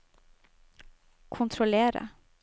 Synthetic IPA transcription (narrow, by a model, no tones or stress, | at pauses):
kʰʊnt̪ʰɾʊleːɾə̰